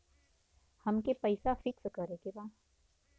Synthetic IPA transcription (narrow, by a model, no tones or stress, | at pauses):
hɐmkepəɪsafɪkskəɾekebaː